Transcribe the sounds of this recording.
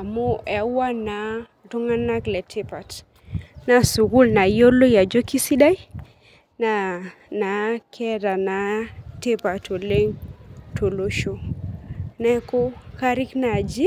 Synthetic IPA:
a˨mo˦ʔɛ˨wa˦na˨ | tu˦ŋa˦na˦klɛ˨tʰe˦pa˨t | na˨su˨ɡu˦lna˨jo˦lo˦ja˨d͡ʒo˦ki˦si˦da˦j | na˨ | na˨kʰɛ˦ɾa˨na˨te˦pa˨to˨le˦ŋtʰo˨lo˦ʃo˦ | nɛ˦ko˦ka˦ɾɪ˦kna˨d͡ʒi˦

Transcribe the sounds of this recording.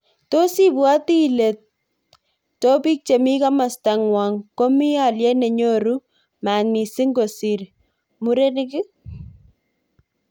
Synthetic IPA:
to˦si˦bua˦ti˦le˨t̚ | tːo˦pi˦k̚t͡ʃe˨mi˦ka˦ma˨sta˨ŋwa˨ŋko˦mi˦a˨ljɛ˦ne˨ɲo˦ɾu˦ | ma˨ŋmi˨si˦ŋɡo˨siɾ | muɾe˦nɪ˦kɪ˦

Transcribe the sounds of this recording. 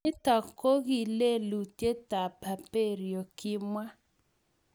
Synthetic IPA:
ɪ˦ta˨ko˦ɣi˨le˦lu˨te˦ta˨pʰa˨pe˦˨ɾjo˨kɪ˦mwa˦

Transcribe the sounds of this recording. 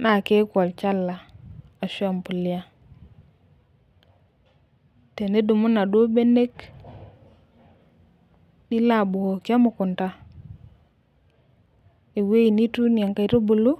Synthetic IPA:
na˨ke˦kwɔ˨lt͡ʃa˦la˨ | a˨swa˨mpu˨lja˦ | te˨ne˦du˨mʊ˦na˨do˦be˦ne˦k | nɪ˦la˦˨bu˨o˨kja˦mʊ˨kʊ˨nta˦ | e˨we˦i˨ni˦tu˦nja˨ŋka˨i˨˦ɾo˦bu˨lu˦

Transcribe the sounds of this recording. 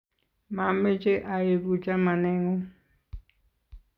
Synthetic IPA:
ma˨me˦t͡ʃʼɛ˦ʔa˨je˨ku˨t͡ʃʼa˦ma˨nɛ˦ŋɔ˦

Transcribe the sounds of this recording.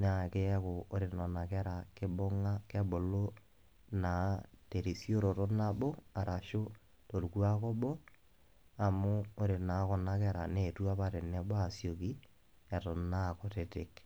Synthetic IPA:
n˦a˨kɪ˦ɛ˦ko˨o˦ɾɪ˨nɔ˨na˨kɛ˦ɾa˨kɪ˦bɔ˦ŋa˦kɛ˦bo˨lo˦ | na˨te˨ɾi˨sjo˦ɾo˨to˦na˦bɔ˦a˨ɾʔa˨ʃo˦ | to˨ɾku˦a˦kɔ˦bɔ˦ | a˨mʊ˦o˦ɾɪ˨na˨˦kɔ˨na˦kɛ˦ɾa˨ne˨tu˦a˦pa˦ɾe˨nɛ˦bɔ˦a˨sjo˨ki˦ | ɛ˨tɔ˨na˦˨ko˨tɪ˨tɪ˨k

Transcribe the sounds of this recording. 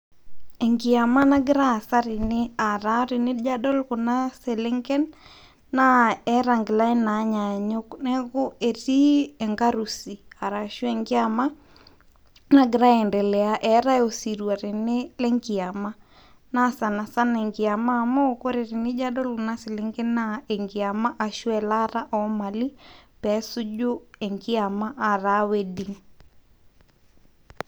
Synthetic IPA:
ɛ˨ŋɡɪa˨ma˦na˦ɡɪ˦ɾaː˦˨sa˦ɾɪ˨nɪ˦a˨ɾa˨˦ɾɪ˨nɪ˦d͡ʒa˦dɔ˦lkʊ˨na˦sɛ˨le˦ŋɡɛ˦nː | a˦ɛ˦ɾa˨ŋɡɪ˨la˦i˦na˨˦ɲa˨ɲo˦knɛ˦ko˦e˨ti˦ɛ˨ŋɡa˦ɾu˨si˨a˨ɾa˨ʃu˦ɛ˨ŋɡɪ˦a˨ma˦ | na˦ɡɪ˨ɾa˦ɛ˨ndɛ˨lɛ˨a˦ʔɛ˨˦ɾa˦o˨si˨ɾu˨a˨ɾɛ˨nɛ˦lɛ˦ŋɡi˨a˨ma˦ | na˦sa˨na˨sa˦nɛ˨ŋɡi˨a˨maː˦˨mɔ˦˨kɔ˦ɾɛ˨ɾi˨ni˦d͡ʒa˦dɔ˦lu˨na˦si˨lɛ˦ŋɡe˦naɛ˨ŋɡi˨a˨ma˦ʔa˨ʃu˦ɛ˨la˦ɾa˦ʔɔ˦ma˨li˦pɛ˦su˦d͡ʒo˦ɛ˨ŋɡi˦a˨ma˦ʔa˨ɾa˦we˦di˨ŋ

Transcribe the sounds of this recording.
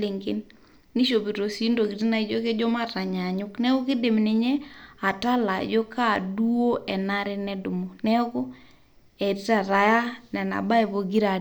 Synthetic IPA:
le˨ŋɡḛ˦nː | i˦ʃo˨bi˨ɾo˨si˦ndo˨ɡi˨ti˦na˨i˦d͡ʒo˦ke˦d͡ʒɔ˦ma˦ɾa˨ɲa˨ɲʊ˦knɛ˦o˦kɪ˦de˨mnɪ˨ɲɛ˦a˨ta˦la̰˨d͡ʒo˦ka˦˨du˦o˦ʔɛ˨na˦ɾɪ˦nɛ˦dʊ˨mo˨nɛ˦kɔ˦ | e˨ti˦ta˨ɾa˨ja˦nɛ˨na̰˨ba˦e˨bo˨ɡi˦ɾa˨d

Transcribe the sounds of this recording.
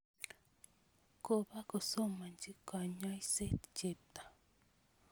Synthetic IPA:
ko˨βa˦ko˨so˦ma˨ɲd͡ʒi˦ka˨ɲa˦jse˦t̪t͡ʃe˨t̪ḁ˨

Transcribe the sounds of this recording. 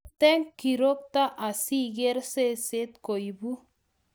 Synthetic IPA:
t̪e˦ŋkːi˨ɾo˦k̚t̪a˦ʔa˨si˦ɡe˦ɾse˦se˦t̪ko˨jibu˦

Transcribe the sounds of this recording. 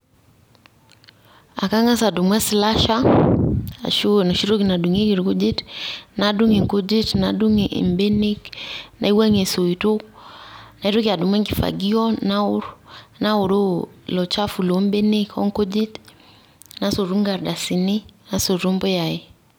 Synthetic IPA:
a̰˨ka˦ŋa˦sa˨du˨mwɛ˦sla˦ʃa̰˦˨ | ʃo˦na˨ʃi˦ɾo˦ki˨na˨du˨ŋe˦ki˨ɾu˨ko˦d͡ʒi˦tna˨du˦ŋi˨ŋko˦d͡ʒi˦tna˨du˦ŋʔmbe˦ne˦kna̰˨i˦wa˦ŋe˨so˨i˨to˦k | na˨i˦ɾo˦kia˨du˨mwɛ˦ŋɡi˨fa̰˨ɡi˦ɔ˦na˦ʊ˦ɾna˦o˨ɾo˦lɔ˨t͡ʃa˦fu˨lo˦mbe˦ne˦kɔ̰˦ŋko˦d͡ʒi˦t | na˦so˨ɾu˦ŋɡa˨ɾda˨si˨ni˦na˨so˨ɾo˦mbo˦ja˨e˨

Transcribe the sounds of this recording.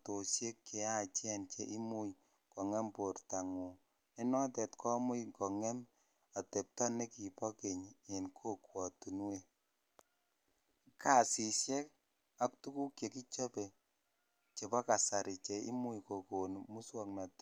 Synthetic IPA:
to˨ʃje˦kːe˨a˦˨t͡ʃɛ˦nt͡ʃɛ˦ʔi˦mu˦j | kɔ˨ŋɛ˦mpo˨rta˨ŋu˨ | ɛ˦nɔ˦tɛ˨tkɔ˦mʊ˦jkɔ˨ŋɛ˦m | a˨tɛ˨p̚tɔ˦ne˦ki˨pɔ˦ke˨ɲe˨nkʰo˦kwɔ˨tu˨n˦we˦ | ka˦˨si˨ʃjɛ˦k | a˦k̚tu˦ku˦kje˨ki˦t͡ʃo˦pɛ˨ | t͡ʃe˨pɔ˦ka˨sa˨ɾi˨t͡ʃɛ˨ḭ˦mu˦jko˨ko˨nmu˦swɔ˦kna˨t

